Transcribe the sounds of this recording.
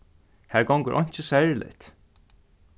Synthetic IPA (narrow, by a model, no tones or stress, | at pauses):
hæɹɡɔwŋkʏɾʔɔ̰ɲ̥t͡ʃəsɛɹlɪ̰ht̪